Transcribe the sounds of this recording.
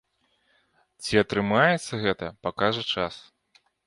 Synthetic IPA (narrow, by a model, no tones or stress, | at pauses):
t͡sʲiɐt̪ɾɨmajɛt̪sːɐɣɛt̪ɐpakaʐɐt͡ʂas